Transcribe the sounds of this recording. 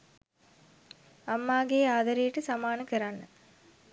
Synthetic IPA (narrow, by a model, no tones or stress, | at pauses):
amːaːɡeːaːd̪aɾejəʈəsamaːnəkəɾanːə